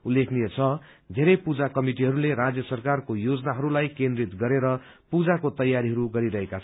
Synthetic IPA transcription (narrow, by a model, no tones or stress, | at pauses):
ulːekʰniet͡sʰʌ | d̪ʱeɾʌjpud͡zakʌmiʈiɦʌɾuleɾad͡zjʌsʌrkarkojod͡zʌnaɦʌɾulajkẽnd̪rit̪ɡʌɾeɾʌ | pud͡zakot̪ʌjːaɾiɦʌɾuɡʌɾiɾʌɦekat͡sʰʌ